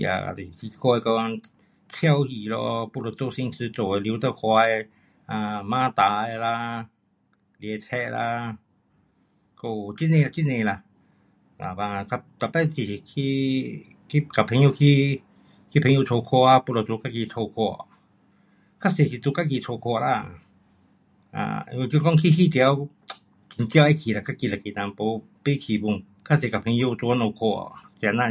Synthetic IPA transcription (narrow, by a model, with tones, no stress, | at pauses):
ja̰˨a̰˨t̪e˨ki˧kʰɔ˧e˧kɔ˧ | t͡ʃʰja˦wji˧˨lɔ̰˧pu˧lo˧˨t͡so˧si˧ŋt͡sɨ˧t͡so˨e˧ljt̪a˧˨kʷa˧e˧ | ã˧mãː˦t̪a˨˧e˧la˧ | lje˧t͡ʃʰɛ˧ʔla̰˧ | ko˧t͡ʃi˦nẽ˧la˧ki˦nẽ˧la˧ | la̰˨ba˧ka˧t̪a˧˨pɛ˦t͡si˧˨˧kʰi˦ | ki˦ka˧pʰẽ˧˦jo˦˧kʰi˦ | kʰi˦pʰe˧ju˧tʰo˧kʰo˧a˧pu˧ɾo˧t̪u˧ka˦ki˧tʰo˧kʰo˧a̰˧ | kʰa˦se˧si˧t̪u˧ka˦k̬i˧˨˧tʰo˧kʰo˧ɾa˦˧˨ | a̰˧˨ju˧kko˦ŋki˦˧ɦi˦t̪i˧a˧ | ki˧nt͡ʃja˧i˦kʰi˧˨ɾa˧˨ka˦ki˧la˧˨ki˧˨nã˧mpo˧ | pe˦˧kʰi˧˨bu˧ŋ | kʰa˦se˧ka˨˧pʰẽ˧jo˧t̪u˧a˧nõ˧kʰo˧a̰˧˨t̪i˧a˧nã˧